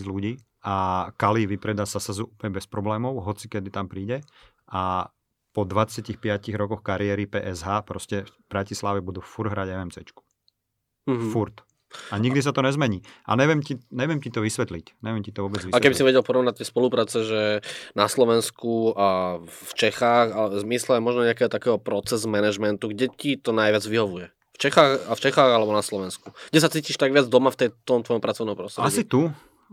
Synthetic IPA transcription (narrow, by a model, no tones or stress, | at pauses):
d͡zluɟiː | akaliʋipɾɛd̪aːsasazupɲɛbɛspɾɔblɛːmɔʊɦɔt͡si̥kɛd̪it̪ampɾiːɟɛ | ʔa | pɔd̪ʋat͡sɪacixpɪaciɣɾɔkɔxkaɾɪɛːɾipɛ̰ːʔɛzɦaːpɾɔscɛfb̥ɾacislaʋɛbud̪uːfuɾɦɾaɟɛɛmt͡sɛt͡ʃku̥ | fuɾt̪ | aɲiɡd̪is̬at̪ɔɲɛzmɛɲiːʔa̰ɲɛʋɪɛmciɲɛʋɪɛmcit̪ɔʋisʋɛt̪licɲɛʋɪɛmcit̪ɔʋɔbɛd͡zialɛkɛbisiʋɛɟɛlpɔɾɔʋnac̚t̪ːɛjspɔlupɾaːt͡sɛʒɛnaslɔʋɛnskuaft͡ʃɛxaːɣalɛzmislɛamɔʒnɔɲɛakɛːɦɔt̪akɛːɦɔpɾɔt͡sɛzmɛnɛʒmɛnt̪uɡɟɛcit̪ɔnajʋɪad͡zʋiɦɔʋujɛ | ft͡ʃɛxaːxaft͡ʃɛxaːɣalɛbɔnaslɔʋɛnskuɡ̥ɟɛs̬at͡siːciʃt̪aɡʋɪad͡zd̪ɔmaft̪ɛjt̪ːɔmt̪ʋɔjɔmpɾat͡sɔʊnɔ̃mpɾɔst̪ɾɛaɟisit̪u